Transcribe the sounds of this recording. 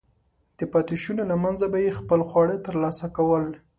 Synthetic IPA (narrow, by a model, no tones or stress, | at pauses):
d̪̥əpɑt̪ɪʃunolamanzabajexpəlxwɑɽet̪əɾlɑsakawəl